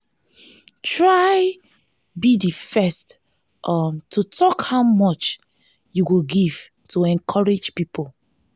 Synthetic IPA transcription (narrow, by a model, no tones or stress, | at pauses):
tɹaj | bidifɛst | ʔʌmtʰutʰɔkhaʊmɔt͡ʃ | juwuɡiv̥ | tʰuɛ̃nkʰɔɹed͡ʒpipʰol